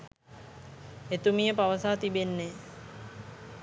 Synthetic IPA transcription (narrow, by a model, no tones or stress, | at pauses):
et̪umijəpaʋəsaːt̪ibenːe